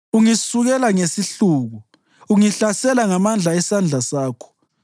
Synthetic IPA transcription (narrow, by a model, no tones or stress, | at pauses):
uŋisuɣɛlaŋesiɬuːɣu | uŋiɬasɛlaŋamand͡ɮʱaɛsand͡ɮʱasaːkʰɔ̥